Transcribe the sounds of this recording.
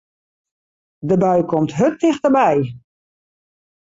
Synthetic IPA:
dəbœɥkɔmtɦøtɪxdəbɛj

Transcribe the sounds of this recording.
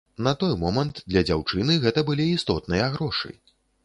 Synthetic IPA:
nɐt̪ɔjmɔmɐnt̪d̪lʲɐd͡zʲawt͡ʂɨnɨɣɛt̪ɐbɨlʲiːst̪ɔt̪̚nɨjɐɣɾɔʂɨ̰j

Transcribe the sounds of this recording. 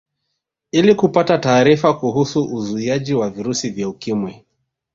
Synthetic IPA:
ilikupatataːɾifakuɦusuʔuzuiaʄiwaviɾusivjaukimwɛ

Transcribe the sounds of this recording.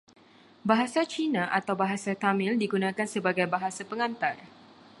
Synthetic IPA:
baɦasat͡ʃinãʔat̪awbaɦasat̪amɪ̃ldiɡunãkansəbaɡajbaɦasapəŋãnt̪ar

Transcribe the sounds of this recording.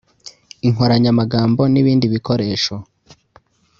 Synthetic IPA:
iŋoɾaɲamaɡaːmbo̞niβiːndiβiko̞ɾe̞ːʃo̞

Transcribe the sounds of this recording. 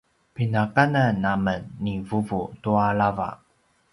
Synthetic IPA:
pinakananːamənːivuvutuaɭava̰

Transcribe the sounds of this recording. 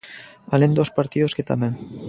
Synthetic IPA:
alend̪ospaɾt̪iðosket̪ameŋ

